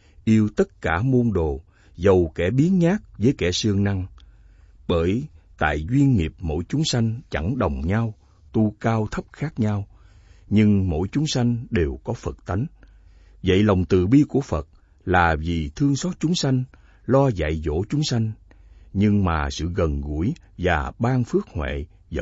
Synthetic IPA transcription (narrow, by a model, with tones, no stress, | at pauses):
ʔi˧əwt̪ə˦˥t̚kaː˧˩mo˧nɗo˨˩ | zə˨˩wkɛ˧˩ɓi˨˦ənɲaː˦˥k̚vəː˨˦jkɛ˧˩sɨ˧əŋna˧ŋ | ɓəː˧˩jt̪a̰ː˧˨jzwi˧ənŋi˨˩əp̚mo̰˧˥jt͡ɕʊ˨˦ŋ͡msa˧jŋ̟t͡ɕa˧˩ŋɗə˨˩wŋ͡mɲa˧w | t̪u˧kaː˧wt̪ʰə˦˥p̚xaː˦˥k̚ɲa˧w | ɲɨ˧ŋmo̰˧˥jt͡ɕʊ˨˦ŋ͡msa˧jŋ̟ɗe˨˩wkɔ˨˦fə˨˩t̚t̪a˨˦jŋ | və̰˧˨jlə˨˩wŋ͡mt̪ɨ̰˧˨ɓi˧ku˧˩əfə˨˩t̚ | laː˨˩vi˨˩t̪ʰɨ˧əŋsɔ˦˥t̚t͡ɕʊ˨˦ŋ͡msa˧jŋ̟ | lɔ˧za̰˧˨jzo̰˧˥t͡ɕʊ˨˦ŋ͡msa˧jŋ̟ | ɲɨ˧ŋmaː˨˩sɨ̰˧˨ɣə˨˩nɣu˧˩əj | vaː˨˩ɓaː˧ŋfɨ˦˥ək̚hwḛ˧˨ | zə˧